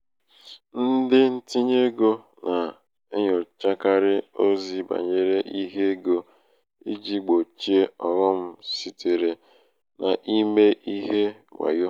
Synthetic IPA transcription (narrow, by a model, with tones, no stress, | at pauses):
n̩˦dɪ˦n̩˦ti˦ɲe˦ɡo˦ | na˨ | e˦ɲʊ˨t͡ʃa˦ka˦ɾɪ˦o˦zi˨ba̰˨ɲe˦ɾe˦ʔi˦ɦe˦ɡo˦ | i˦d͡ʒi˦ɡ͡bo˨t͡ʃi˦e˦ɔ˨ɣɔ˦m̩˦si˦tʰe˨ɾe˨ | na˨ʔi˦me˦ʔi˦ɦe˦ŋʷa̰˨jo˦